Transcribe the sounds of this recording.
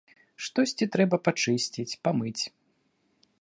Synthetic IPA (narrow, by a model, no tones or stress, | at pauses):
ʂt̪ɔsʲt͡sʲit̪ɾɛbɐpat͡ʂɨsʲt͡sʲit͡sʲpamɨt͡sʲ